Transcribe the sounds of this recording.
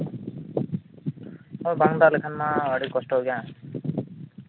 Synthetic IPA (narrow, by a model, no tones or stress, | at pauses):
mojbaŋd̪alekʰanmãəɽikɔsʈɔɦoɡjãː